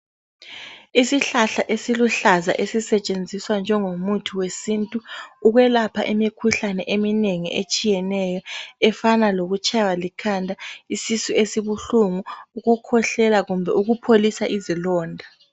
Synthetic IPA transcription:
isiɬaɬaʔesiluɬaza̰ʔesisɛt͡ʃʼend͡zʱiswand͡ʒʱɛŋomutʰuwesiːntʼuːɣwɛlapʰa̰ʔimikʰuɬanɛʔemineŋḭʔet͡ʃʼijɛnɛjɔɛfanaloɣut͡ʃʼawalikʰandʱaisisuesiβuɬuŋuuɣukʰɔɬɛlaɣumbʱɛuɣupʰolisaʔizilɔːndʱa

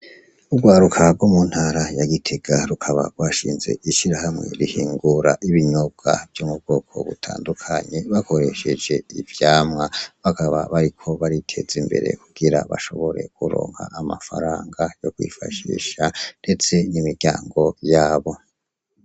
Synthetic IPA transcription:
ubɡwaːɾukʰab̚ɡwomun̥haɾajaɡitʰeɡ̥aɾukʰaβa̰ɡwaːʃiːnze̞̰ʔiʃiɾahamŋe̞̰ɾihiːŋɡuɾaʔiβiɲoɡ̥a̰vjumub̚ɡ̥o̞ːkʰo̞̰βṵtʰa̰ːndukʰaɲe̞βako̞ɾe̞ʃe̞d͡ʒe̞ivjaːmŋaβakaβa̰βaɾikʰo̞βaɾitʰe̞zimbe̞̰ɾḛkuɡ̥iɾa̰βa̰ʃo̞̰βo̞ɾe̞̰kuɾo̞̰ːŋha̰ʔːmafa̰ɾaːŋɡajo̞kwḭːfaʃḭːʃande̞t͡se̞nimiɾɟaːŋɡo̞jaːβo̞

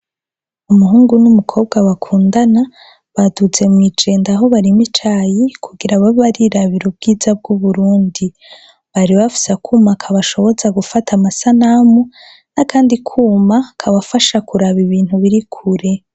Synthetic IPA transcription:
umuɦuːŋɡunumukʰo̞ːb̚ɡawakʰuːndana | βadut͡se̞mŋid͡ʒe̞ːndaɦo̞βaɾimit͡ʃajikʰuɡiɾaβaβaɾiɾaβiɾob̚ɡiːzab̚ɡuβuɾuːndi | βaɾiβafi̥sakʰumakʰaβaʃo̞βo̞zaɡufatʰamasanamu | nakaːndikʰuːmakʰaβafaʃakuɾaβiβiːn̥huβiɾikʰuɾe̞

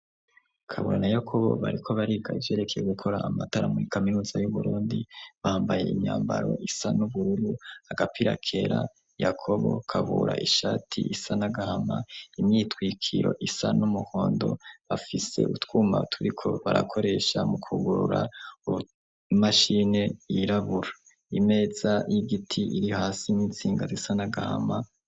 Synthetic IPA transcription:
kʰaβṵɾanajakʰo̞βo̞̰βaɾikʰo̞βaɾiɡaivje̞ːɾe̞kʰe̞je̞ɡukʰo̞ɾaːmataɾamuɾikaminuːzajuβuɾuːndiβaːmbaje̞̰ʔimɲaːmbaɾo̞̰ʔisanuβuɾuɾuaɡapiɾakʰe̞ɾa | jakʰo̞βo̞̰kʰaβuɾaʔiʃaːtʰiʔisanaɡahamaimɲiːtwiːkʰiɾo̞̰ʔisanumuhoːndo̞̰βafise̞̰ʔutwuːma̰tʰuɾikʰo̞βaɾakʰo̞ɾe̞ʃamukʰuɡuɾuɾa | maʃine̞jiɾaβuɾa | ime̞ːzajiɡitʰiiɾiohaːsinit͡siːŋɡazisanaɡahama

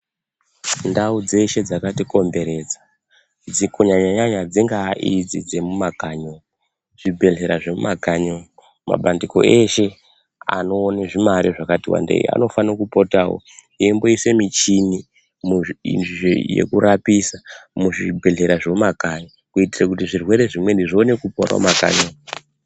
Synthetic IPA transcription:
ndaud͡ze̞ʃe̞d͡zakatiko̞mbe̞ɾe̞d͡za | d͡zikoɲaɲaɲaɲad͡ziŋɡaʔid͡zid͡ze̞mumaɡʱaɲo | ʐ̥ibʱe̞ɮe̞ɾaʐemṵmaɡʱaɲo | ma̰ɓandiko̞̰e̞ʃe̞ | a̰no̞ːneʐimaɾiʐakatiwa̰ndḛḭa̰no̞fanokupotawo̰ | iemboise̞mit͡ʃini | muḭnʐijḛkuɾapisamuʐibʱe̞ɮe̞ɾaʐemumaɡʱaɲo | kuitirakutiʐirwe̞ɾe̞ʐimwe̞ndiʐione̞kupoɾa̰maɡʱa̰ɲo

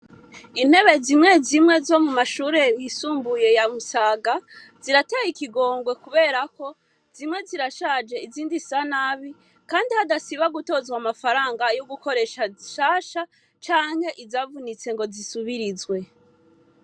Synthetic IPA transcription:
in̥he̞βe̞zimŋe̞zimŋe̞zo̞mumaʃuːɾe̞jisuːmbuje̞jamusaːɡa | z̥iɾatejikiɡo̞ːŋɡwe̞kuβe̞ːɾako̞ | z̥imŋe̞ziɾaʃaːd͡ʒe̞iziːndisanaβi | kaːndihadasiβaɡuto̞zwamafaɾaːŋɡajoɡuko̞ɾe̞ʃaiʃaːʃa | t͡ʃaːŋ̥he̞ʔizavunit͡se̞ŋɡo̞zisuβiɾizwe̞

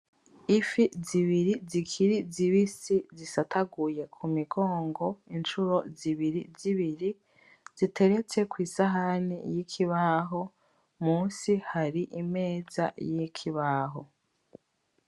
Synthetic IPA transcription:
ifiziβiɾizikʰiɾiziβisizisatʰaɡuje̞kʰumiɡo̞ːŋɡo̞int͡ʃuɾo̞ziβiɾiziβiɾi | z̥itʰe̞ɾe̞t͡se̞kwiːsaɦanḭjikʰiβaɦo̞ | muːnsihaɾiʔime̞ːza̰jikʰiβaɦo̰

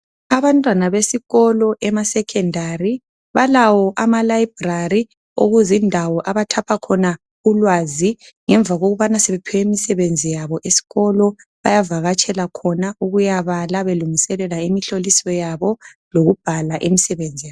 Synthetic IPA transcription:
aβantʼwanaβesiɣɔlɔʔɛmasɛkʰɛndʱari | βalawɔʔamalajib̥rari | o̰ɣuzindʱawɔʔaβatʰapʰakʰɔna | ɣulwazi | ŋɛɱb̪vʱaɣoɣuβanaseβepʰɛwemisɛβend͡zʱijaβɔʔesi̥ɣɔlɔβajavaɣat͡ʃʼʰɛlakʰɔnaʔuɣujaβalaβeluŋisɛlɛlaimiɬolisɔjaβɔ | loɣub̥ʱalaʔemisɛβend͡zʱija

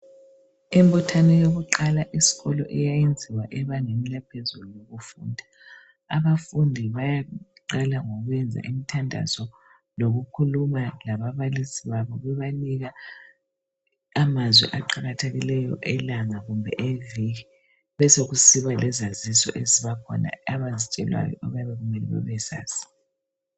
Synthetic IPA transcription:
embutʰanɛjoɣuǃalaʔisi̥ɣɔlɔʔɛjajend͡zʱiwaʔɛβaŋemilapʰezulujoɣufṵːndʱa | aβafundʱiβajaǃalaŋoɣwɛnd͡zʱa̰ʔimitʰandʱa̰zɔ | loɣukʰulumalaβaβalisiβaβɔβɛβaniɣa | amazwɛ̰ʔaǃaɣatʰeɣilɛjɔ̰ʔɛlaŋaɣumbʱɛ̰ʔeviɣi | βɛsoɣusiβalɛzazisɔ̰ʔeziβakʰɔ̰na̰aβazit͡ʃʼɛlwa̰jɔ̰ʔɔβajaβɛɣumɛlɛ̰βɛ̰βɛsa̰ːsi̥

